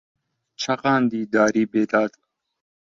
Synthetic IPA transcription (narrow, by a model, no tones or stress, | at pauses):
t͡ʃʰɐqɑːnd̪iːd̪aːɾiːbeːd̪aːt̪